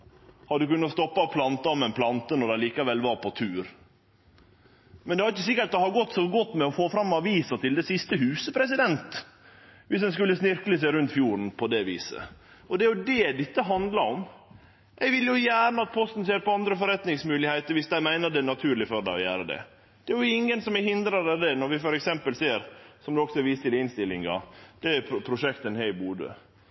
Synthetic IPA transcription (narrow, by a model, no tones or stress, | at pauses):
hɑd̪ʉkʉnːəɔst̪ɔpːɑɔpʰlɑnt̪ɑɔmɛnpʰlɑnt̪ənɔɾd̪æɪliːkɑʋɛlʋɑɾpʰɔt̪ʰʉːɾ | mɛnɛhɑɾɪçəsɪkːəʈ̚d̪ɛhɑɾɡɔt̪ːsɔɡɔt̪ːmɛɔfoːfɾɑmːɑʋiːsɑt̪ɪld̪ɛsɪst̪əhʉːsəpʰɾɛsɪd̪ɛnt̪ | ʋɪsd̪ɛnskʉlːəsnɪɾkləs̬æɪɾʉnt̪fjuːɾn̩pʰɔd̪ɛʋḭːsə̰ | ɔd̪ɛæɾjʊd̪ɛd̪ɪt̪ːəɦɑnd̪lɑɾɔm | ʔɛɪɡʋɪlːjʊjæːɾnəɑt̪̚pʰɔst̪n̩seːɾpɔɑnd̪ɾəfɔɾɛt̪nɪŋsmʉːlɪheɪt̪əɾʋɪsd̪æɪmæɪnəɾd̪ɛnɑt̪ʰʉːɾɭɪfɔɾɖ̪ɛ̰ɪɔjæ̰ːɾəd̪ɛ̰ | d̪̥ɛæɾjʊɪŋːənsɔmɛhɪnd̪ɾɑɾɑd̪ɛnɔɾʋɪfɔɾɛksɛmpəlseːɾsɔmd̪ɛɔksɔɛɾʋiːst̪ɪlɪnst̪ɪlːɪŋɑ̰d̪̥ɛæpʰɾʊʂɛkt̪ənhɛɪbuːd̪ə̰